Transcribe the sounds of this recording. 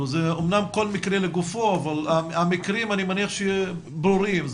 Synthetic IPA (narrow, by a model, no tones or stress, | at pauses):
zeomnamkolmikɾeleɡufoavalaamikɾimanimaniaχʃe | bɾuɾimz